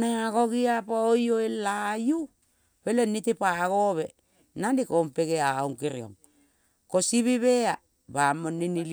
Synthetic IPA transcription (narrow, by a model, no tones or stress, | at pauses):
naaɡoɡiapaojoelaju | pelenitepaɣoβe | nandikompeɡeauŋkiɾio̰ŋ | kosiβiβea | bamoninil